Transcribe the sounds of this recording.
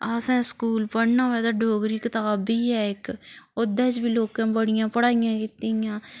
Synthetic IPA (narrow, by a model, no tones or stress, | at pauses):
asɛ̃ːskuːlpəɽnãːʋɛːd̪aɖʱoːɡɾiːkət̪aːbiːɛːɪkod̪ɛːt͡ʃbiloːkãːbəɽɪjãːpəɽaːɪjãːkɪt̪ijãː